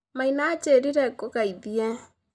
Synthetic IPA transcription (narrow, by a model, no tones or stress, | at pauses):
mainat͡ʃeɾiɾɛkokaiðiɛ